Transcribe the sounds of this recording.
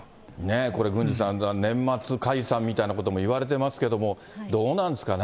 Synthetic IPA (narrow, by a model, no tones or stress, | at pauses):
ne̞ko̞ɾe̞ɡɯ̟̃ɲ̟d͡ʑisãnanẽ̞mːat͡sɨkaisãmʲːit̪ainako̞t̪o̞mo̞iβaɾe̞t̪e̞masɨ̥ke̞d̪o̞mo̞ | d̪o̞ːnãnd̪esɨ̥kan